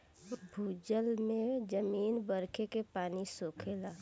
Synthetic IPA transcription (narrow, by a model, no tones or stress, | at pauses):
bʱuːd͡ʒəlmẽd͡ʒəmiːnbəɾkʰekepaːnisoːkʰeːlaː